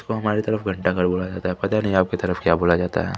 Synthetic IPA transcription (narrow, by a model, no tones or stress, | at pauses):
skoɦɐmaːɾit̪ɐɾəfɡʱɐ̃ɳʈakɐɾboːlad͡ʒaːt̪aɦɛpɐt̪anɐɦĩaːp̚ket̪ɐɾəfkjaːboːlad͡ʒaːt̪a̰ɦɛ̰ː